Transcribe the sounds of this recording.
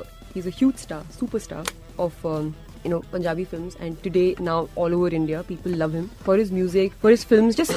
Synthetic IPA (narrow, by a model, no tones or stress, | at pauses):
hiːzəhjuːd͡ʒsʈaːɾsuːpəɾsʈa̰ːɾ | ʔɔʋʌ | jʊnoːpə̃ɲd͡ʒaːbifɪlmzɛ̰̃ɳɖʈʊɖeːnaʊʔɔːloːʋəɾɪ̃ɳɖiapiːpəlːʌʋhɪ̃mfɔɾɪzmjuːzɪkfɔɾɪz̥fɪlmzd͡ʒʌs